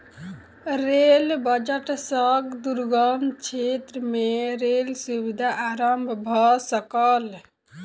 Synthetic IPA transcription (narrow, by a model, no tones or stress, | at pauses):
ɾelbəd͡ʒəʈsəɡd̪uɾɡəmt͡ʃʰet̪ɾəmeɾelsubid̪ʱaʔaɾəmbʱbʱɔsəkəl